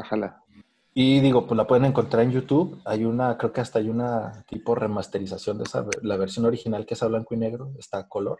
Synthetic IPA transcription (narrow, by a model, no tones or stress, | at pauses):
axala | iðiɣo̞plapwe̞ð̞ene̞ŋko̞nt̪ɾaɾe̞njut̪uβajunakɾe̞oke̞ast̪aajunat̪ipo̞re̞mast̪e̞ɾisasjo̞nd̪esa̰βlaβ̞e̞ɾsjo̞no̞ɾixinalkeesaβlaŋkoine̞ɣɾo̞est̪ako̞lo̞̰ɾ